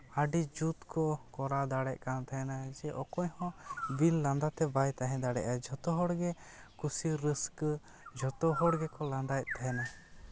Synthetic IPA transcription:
aɖid͡ʒut̪kʰɔkɔɾad̪aɽɛʔ̚kant̪aɦɛnad͡ʒɛʔɔkɔɲhɔ̃bilːãnd̪at̪ɛbajt̪aɦɛ̃d̪aɽɛ̰ʔad͡ʒʱɔt̪ɔɦɔɽɡɛ | kusiɾəsk | d͡ʒʱɔt̪ɔɦɔɽɡɛkɔlãnd̪aj̚t̪ʰaɦɛna

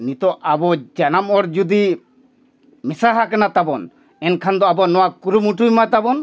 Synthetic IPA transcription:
nit̪ɔʔabɔd͡ʒanamɔɾd͡ʒud̪i | misaɦakanat̪abɔn | ɛnkʰand̪ɔabɔnɔwakuɾumuʈujmat̪abɔn

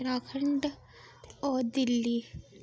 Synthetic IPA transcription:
ɾakʰɐɳɖ | ɔːd̪ilːi

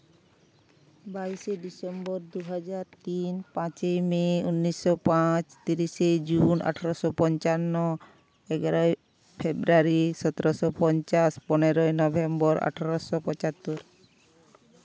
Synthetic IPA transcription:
baiseɖisembɔɾd̪uɦad͡ʒaɾt̪inpãt͡ʃejmeunːisːɔpãt͡ʃt̪iɾised͡ʑuna̰ʈʰaɾɔsɔpɔnt͡ʃanːo | eɡaɾɔe | pʰebɾuaɾisɔt̪eɾosɔpɔnt͡ʃaspɔneɾojnɔbʱembɔɾa̰ʈʰaɾɔsɔpɔt͡ʃat̪ːuɾ

